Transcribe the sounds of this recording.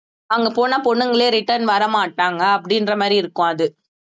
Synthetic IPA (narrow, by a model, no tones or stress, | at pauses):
ɐŋɡɐpoːnaːpɔɳːɯŋɡɐɭeːɾɪʈːɐɾnʋɐɾɐmaːʈːaːŋɡɐːpːɐɽɪndɾɐmaːd̪ɾiɪɾɯkːʊ̃ɐðɯ